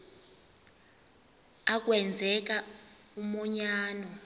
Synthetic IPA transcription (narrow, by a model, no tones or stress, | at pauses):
ak̬wɛnd͡zʱɛk̬a | umɔɲaːnɔ